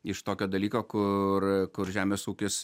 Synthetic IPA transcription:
ɪʃt̪oːkʲoːd̪ɐlʲiːkoːkʊrkʊɾʒʲæːmʲeːsuːkʲɪs

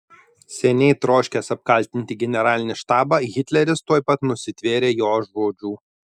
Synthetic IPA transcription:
sʲɛnʲɛɪt̪ɾoːʃʲkʲɛsɐp̚kɐlʲˑt̪ʲɪnʲt̪ʲɪɡʲɛnʲɛɾɑːlʲɪnʲɪʃt̪ɑːbɑɣʲɪt̪ʲlʲɛɾʲɪst̪uɔjpɐt̪nʊsʲɪt̪ʲʋʲeːɾʲeːjoːʒoːd͡ʒʲuː

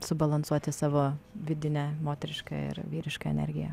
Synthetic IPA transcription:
sʊbɐlˠɐnsuɔt̪ʲɪsɑːʋoːʋʲɪd̪ʲɪnʲɛmoːt̪ʲɛɾʲɪʃkɑ̰ːɪ̰ɾʋʲiːɾʲɪʃkɑɛ̰nʲɛ̰ɾʲɡʲɪjɛ̰

